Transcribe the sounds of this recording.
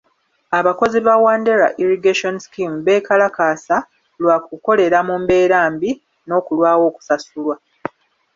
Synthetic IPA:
aβako̞ziβawaːnde̞ɾa̰ʔiɾiɡeʃo̞nisi̥kimβe̞ːkalakaːsa | lwakuko̞le̞ɾamumbe̞ːɾaːmbi | no̞ːkulwaːwo̞ːku̥sasulwa

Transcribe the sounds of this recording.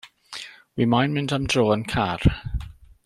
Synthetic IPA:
wiːmajnmɪndamdroːənkʰar

